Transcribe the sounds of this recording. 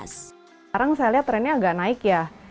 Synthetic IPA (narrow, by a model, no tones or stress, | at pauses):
s | ɾaŋsajaliɦat̪ɾɛnːaaɡaʔnaɪkja